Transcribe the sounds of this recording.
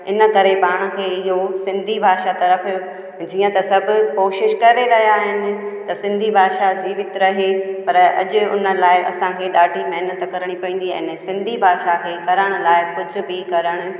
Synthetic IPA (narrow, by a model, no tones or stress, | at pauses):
ɪnə̆kɐɾepaːɽ̃kʰeːɪɦosɪ̃nd̪ʱibʱaːʃat̪ɐɾəfɪjo | d͡ʑiːə̃t̪ɐsɐbʱʊ̆koːʃɪʃkɐɾeɾɐɦijaːɦɪnɪ̆t̪ɐsɪ̃nd̪ʱibʱaːʃad͡ʑiːʋɪt̪ɾɐɦepɐɾɐ̰ʄʊʊ̰nə̆laːɪʔɐ̰sãkʰeːɗaːʈimɐɦnət̪kɐɾəɽ̃ipɐĩːn̆d̪iɛ̰̃ːnɛsɪ̃nd̪ʱibʱaːʃakʰeːkɐɾəɽ̃ʊ̆laːɪkʊd͡ʑʱʊ̆bɪkɐɾəɽ̃ʊ̆